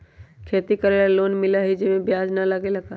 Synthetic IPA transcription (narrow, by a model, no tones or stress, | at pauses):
kʰeːt̪ikɐɾeːlaloːnmɪlaɦid͡ʒɪmẽbjaːd͡ʒnalaːɡelɐɡa